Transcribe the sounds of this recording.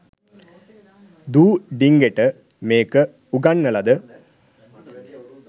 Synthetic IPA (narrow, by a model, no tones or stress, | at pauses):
d̪uːɖiŋɡeʈə | meːkə | uɡanːəlɐd̪ə